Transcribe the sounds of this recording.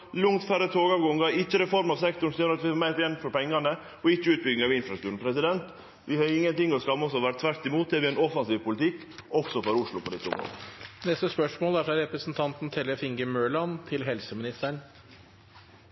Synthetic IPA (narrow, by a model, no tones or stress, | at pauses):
lʊŋt̪fæɾət̪ʰoːɡɑʋɡɔŋɡɑɾɪçːəɾɛfɔɾmɑʋsɛkt̪ʊɳsɔjøːɾɑt̪ʋɪhɑmæɪt̪jɛnfɔɾpɛŋːɑnə | ɔɪt͡ʃːəʉːt̪̚bʏɡɪŋɑʋɪnfɾɑst̪ʉːɾən̩pʰɾɛsɪd̪ɛnt̪ | ʋɪhɑɾɪŋːənt̪ɪŋːɔskɑmːɔs̬ɔʋæɾt̪ʰʋæɾt̪ɪmuːt̪̚d̪ɛʋɪɛnɔfɑnsiːʋpʰʊlɪt̪ʰɪkː | ɔfsɔfɔɾʊʂɭʊpʰɔd̪ɪt̪ːəʊ̰md̪ɔ̰mə̰nɛst̪əspœʂmoːlæɾfɾɑɾɛpɾəsnt̪ʰɑnt̪n̩t̪ʰɛlːəfɪŋɡəmøːɭɑnt̪ʰɪlɦɛlsəmɪnɪst̪əɳ